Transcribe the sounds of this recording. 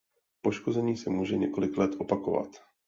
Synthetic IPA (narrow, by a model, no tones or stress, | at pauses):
po̞ʃko̞zɛɲiːsɛmuːʒɛɲɛko̞lɪklɛt̪ʔo̞pako̞va̰t̪